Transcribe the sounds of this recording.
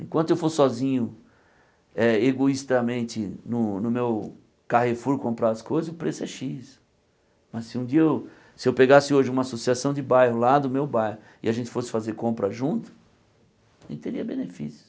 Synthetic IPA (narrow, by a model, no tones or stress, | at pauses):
ẽkwɐ̃nt̪ʊewfosɪsɔzĩɲʊ | ɛeɡoist̪amẽnt͡ʃ̪ɪnʊnʊmew | kahefuɾkõmpɾaɐskojzɐzʊpɾesʊɛʃis | mɐssɪũd͡ʒiɐew | sɪewpeɡasɪoʒɪũmɐasosiasɐ̃w̃d͡ʒɪbajɦʊlad̪ʊmewbajhʊ | ɪ̰aʒẽnt͡ʃɪ̥fosɪ̥fazeɾkõmpɾɐʒũnt̪ʊ̥ | ʒẽt͡ʃt̪eɾiɐbenefḭsjʊ̥